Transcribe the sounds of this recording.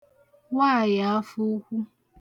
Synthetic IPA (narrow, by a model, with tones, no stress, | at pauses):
wa˦˨ja˨a˦fu˦kʷu˦